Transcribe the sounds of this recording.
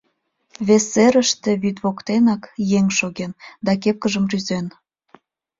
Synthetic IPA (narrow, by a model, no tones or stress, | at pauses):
βeseɾəʃt̪ĕβyt̪βokt̪enɑkjeŋʲʃoɣend̪ɑk̬ep̚kəʒəmryzen